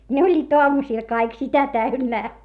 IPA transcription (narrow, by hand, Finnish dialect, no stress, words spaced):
ne olʲːiːt oɑmusiˑl kɑik sitæ tæynːæː